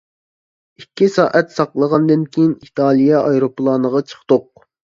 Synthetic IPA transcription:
ikʲːisɑːʔɛt̪sɑqlˠəʁɑnd̪ɨnkʲʰijinit̪ʰɑːlˠijɑʔɑjɾoplˠɑːnəʁɑt͡ʃʰə̥χt̪oq̚

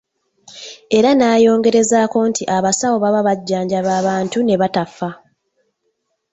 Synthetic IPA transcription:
e̞ɾanaːjo̞ːŋɡe̞ɾe̞zaːko̞ntiʔaβasawo̞βaβaβaɟːaːɲɟaβaːβaːntune̞βatafa

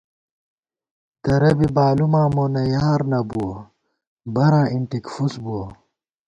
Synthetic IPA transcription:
t̪ɐɾɐbibaːlumãːmonɐjaːɾnɐbuo | bɐɾãːʔiɳʈikfusbuo

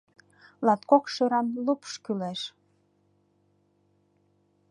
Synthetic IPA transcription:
lɑt̪kokʃø̆ɾɑnlupʃkyleʃ

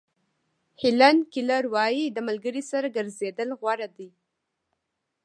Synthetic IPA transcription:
hɪlankɪlaɾwɑjid̪əmalɡəɾisaɾaɡəɾzed̪əlɣwaɾad̪i

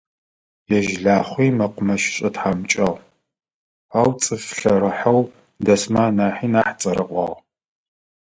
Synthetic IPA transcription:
jɛʒɮaːχʷiːmɐqʷʊmɐʃɪɕʼɐtħamt͡ʃʼɐʁ | aːwt͡sʼɨfɬɐɾɨħɐw | dɐsmaːnaːħiːnaːħt͡sʼɐɾɨʔʷɑ̰ʁ

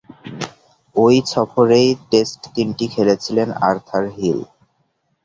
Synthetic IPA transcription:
ojt͡ɕʰɔfʰoɾejʈesʈt̪inʈikʰelet͡ɕʰilena̰ɾt̪ʰaɾɦil

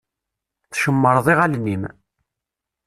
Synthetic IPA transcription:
θʃəmːəɾˤðˤiʁælnim

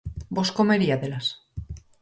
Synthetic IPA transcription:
boskomeɾiaðelas

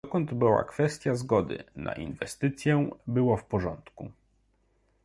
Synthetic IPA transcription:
ɔkɔnd̪bɘwa̰kfɛst̪ʲjazɡɔd̪ɘ̰nʔa̰ʔinvɛst̪ɘt̪sʲjɛbɘwɔfpɔʐɔnt̪ku

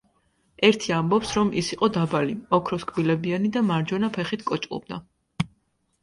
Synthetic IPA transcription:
ɛɾt̪ʰiambɔpsɾɔmʔisiqʼɔd̪abaliɔkʰɾɔskʼbilɛbianid̪amaɾd͡ʒɔnapʰɛχit̪ʰkʼɔt͡ʃʼṵb̚d̪a

